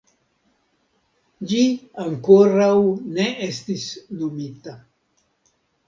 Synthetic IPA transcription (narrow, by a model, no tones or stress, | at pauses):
d͡ʒiaŋkoɾawne̞est̪isnumit̪a